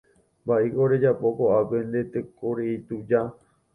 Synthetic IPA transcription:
baʔekoɾed͡ʒapo̞koapẽ̞nd̪e̞t̪ekoɾeit̪ud͡ʒa

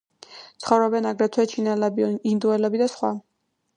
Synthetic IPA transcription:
t̪sʰχɔvɾɔbɛnaɡɾɛt̪ʰwɛt͡ʃʰinɛlɛbind̪uɛlɛbid̪asχwa

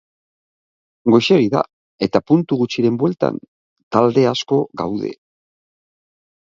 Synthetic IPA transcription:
ɡo̞jʃe̞ɣiða̰ | e̞t̪apunt̪uɣut͡ʃiɾe̞mbwe̞lt̪a̰n | t̪ald̪e̞asko̞ɡawðe̞̰

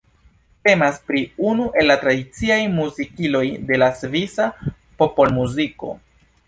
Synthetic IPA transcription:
te̞maspɾiunuʔe̞lːatɾadit͡siajmuzikilo̞jde̞lasvisa | po̞polmuziko̞̰

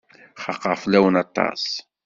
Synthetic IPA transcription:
χɑqːɑʁflæwənɑt̪ˤːɑ̰s

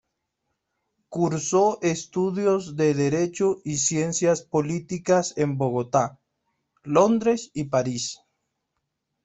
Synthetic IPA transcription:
kuɾsoʔest̪uðjozðeðeɾet͡ʃoisje̞nsjaspolit̪ikasemboɣot̪a | lond̪ɾesipaɾis

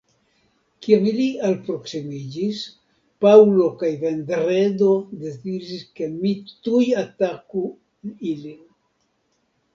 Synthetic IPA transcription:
kiamilialpɾo̞ksimid͡ʒis | pawlo̞kajve̞ndɾedo̞de̞zid͡ʒiske̞mitujataku | nilin

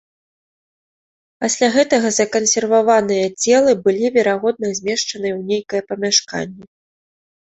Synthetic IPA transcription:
pasʲlʲaɣɛt̪ɐɣɐzɐkɐnsʲɛrvavanɨjɐt͡sʲɛlˠɨbɨlʲivʲɛɾaɣɔd̪̚nɐzʲmʲɛʂt͡ʂɐnɨjɛwnʲejkɐjɛpɐmʲaʂka̰nʲːɛ

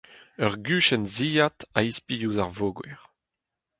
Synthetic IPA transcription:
œʁɡyːʃɛnziːjat̪aispijuzaʁvoɡwɛ̰ʁ

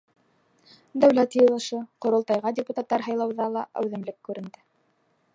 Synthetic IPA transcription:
d̪æwlæt̪jɤ̆lˠɤ̆ʃɤqŏɾŏlˠt̪ɑjʁɑdʲɪput̪at̪ːɑɾɦɑjlˠɑwðɑlˠɑʔæ̰wðɘ̆mlɘkːʉɾɘ̆nd̪ɘ

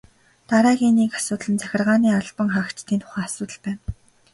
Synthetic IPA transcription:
t̪aɾæːɣʲiːniːkḁsʊːt̪ɮə̆nt͡sʰæxʲɪ̆rʁaːniːaɮpə̆ŋχakt͡ɕt̪ʰiːnt̪ʰʊ̥χæːasʊːt̪ə̆ɮpæːn

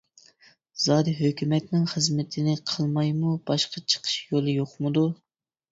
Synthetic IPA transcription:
z̥ɑːd̪iɦøkʲymɛt̪nɪŋχəzmɪt̪ʰɪnɪqʰəlˠmɑjmub̥ɑʃqɑt͡ʃʰə̥qʰə̥ʃjolˠɨjoχmɨd̪u

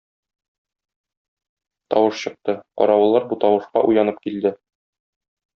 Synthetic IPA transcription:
t̪ɒ̰wɤʃɕɤ̆q̚t̪ɤqɒ̰ɾɑwɤ̆lˠːɑɾbut̪ɒwɤ̆ʃqɑʔujɑnɤp̚kild̪ɘ

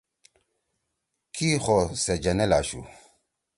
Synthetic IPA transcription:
kʰixɔsɛd͡ʒɛnɛlaʃṵ

